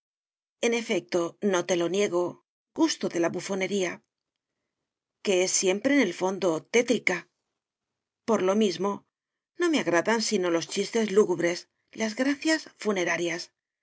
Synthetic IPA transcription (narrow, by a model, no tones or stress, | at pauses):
e̞ne̞fe̞k̚t̪o̞no̞t̪e̞lo̞nje̞ɣ̞o̞ | ɡ̥ust̪oðe̞laβufo̞ne̞ɾia | ke̞e̞sːje̞mpɾe̞ne̞lfo̞nd̪o̞t̪e̞t̪ɾika | po̞ɾlo̞mizmo̞ | no̞me̞aɣɾaðansino̞lo̞st͡ʃist̪e̞zluɣuβɾe̞s | lazɣɾaθjasfune̞ɾaɾjas